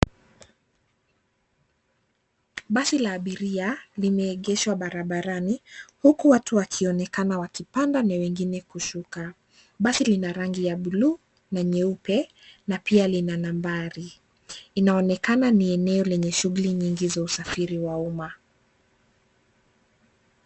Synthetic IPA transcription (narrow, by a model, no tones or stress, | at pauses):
ɓasilaːɓiɾialimɛːɠɛʃwaɓaɾaɓaɾanihukuwatuwakʰiɔnɛkanawakipandanawɛŋɡinɛkuʃuka | ɓasilinaɾaŋɡijaɓuluː | naɲɛupɛ | napialinanambaɾiː | naɔnɛkananiɛnɛɔlɛɲɛʃuɣuliɲiŋɡizausafiɾiwauma